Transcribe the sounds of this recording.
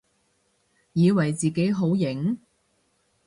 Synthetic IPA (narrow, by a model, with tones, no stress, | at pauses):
jiː˨˧wɐ˨˩jt͡siː˨˩ke˨˥jɦo˨˥wjɪ˨˧˥ŋ